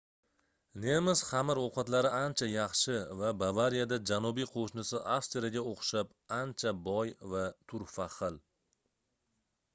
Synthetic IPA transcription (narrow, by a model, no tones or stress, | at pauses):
nemɪz̥χamɪɾoqʰɑt̪laɾɪant͡ʃʰajɑχʃɪvabavaɾijad̪ad͡ʒanʊbijqʰoʃnɪsɪʔafst̪ɾaɡʲaoqʰʃap | ant͡ʃʰabɒjvat̪ʰʊɾfaχɨl